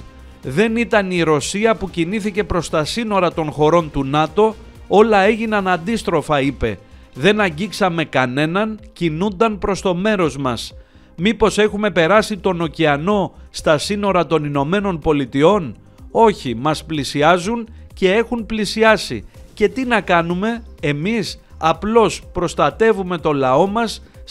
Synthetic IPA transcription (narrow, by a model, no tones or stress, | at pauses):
ðe̞nit̪ɐniɾo̞siɐpuciniθice̞pɾo̞st̪ɐsino̞ɾɐt̪o̞nxo̞ɾo̞nt̪unɐt̪o̞ | o̞lɐe̞ʝinɐnɐnd̪ist̪ɾo̞fɐipe̞̰ | ðe̞nɐɲɟiksɐme̞kɐne̞nɐncinund̪ɐnpɾo̞st̪o̞me̞ɾo̞zmɐs | mipo̞se̞xume̞pe̞ɾɐsit̪o̞no̞ciɐno̞st̪ɐsino̞ɾɐt̪o̞nino̞me̞no̞npo̞lit̪io̞n | o̞çimɐsplisiɐzunce̞e̞xunplisiɐsḭce̞t̪inɐkɐnume̞emisɐplo̞spɾo̞st̪ɐt̪e̞vume̞t̪o̞lɐo̞mɐs